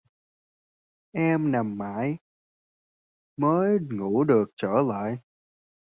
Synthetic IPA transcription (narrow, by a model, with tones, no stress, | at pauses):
ʔɛ˧mna˨˩mːa̰ː˧˥j | məː˨˦jŋu˧˩ɗɨ˨˩ək̚t͡ɕəː˧˩la̰ː˧˨j